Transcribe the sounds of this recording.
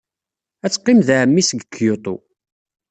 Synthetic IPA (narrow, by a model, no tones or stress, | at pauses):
æt͡sːqːɪmðaʕəmːisəɡəkʰːjot̪ˤo̰